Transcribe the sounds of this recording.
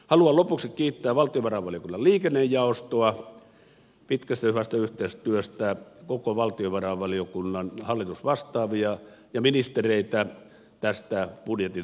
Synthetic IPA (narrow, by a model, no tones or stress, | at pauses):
hɑluɑlopuksikkiːt̪ːæːʋɑlt̪ˑioʋɑrɑʋɑlijokunːɑlliːkenːejjɑˑost̪oɑ | pit̪kæst̪æhyʋæst̪æyht̪eist̪yøst̪ækokoʋɑlt̪ioʋɑrɑʋʋɑlijokunːɑnhɑlːit̪usʋɑst̪ɑːʋiɑ | jɑminist̪ereit̪æ | t̪æst̪æpudjet̪i